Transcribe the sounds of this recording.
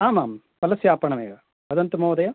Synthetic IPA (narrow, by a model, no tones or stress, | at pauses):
aːmaːm | t̪ɐlɐsjaːpɐɳɐmḛːɡɐ | ɐd̪ɐnt̪ɐmoːd̪ɐjɐ